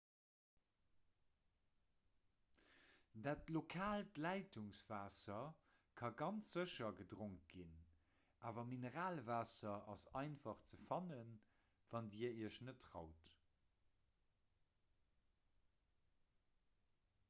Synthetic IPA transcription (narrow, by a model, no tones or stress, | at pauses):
daːtlokʰaːltlæɪtʰuŋsv̥aːsɐ | kʰɑɡɑnt͡sz̥əʃɐɡədʁoŋt̚ɡin | ʔaːvɐminəʁaːlvaːsɐɑsɑɪnfɑχt͡səfɑnən | vɑndiɐiɐʃnətʰːʁɑ̰ʊt